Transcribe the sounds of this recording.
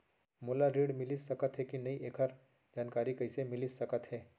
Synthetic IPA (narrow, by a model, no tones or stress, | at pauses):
moːlaɾiːɽmɪlisɐkət̪ɦɛkinɐiʔeːkʰəɾ | d͡ʒaːnkaːɾikɐɪsemɪlisɐkət̪ɦɛː